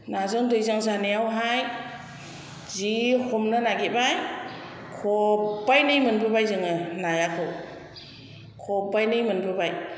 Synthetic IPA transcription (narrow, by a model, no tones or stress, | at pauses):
nazɯŋdɯjzaŋzaneawɦaj | zihʰɔmnɯnaɡibaj | kʰɔbajnɯjmɯnbɯbajzɯŋɯnajakʰɯw | kʰɔbajnɯjmɯnbɯbaj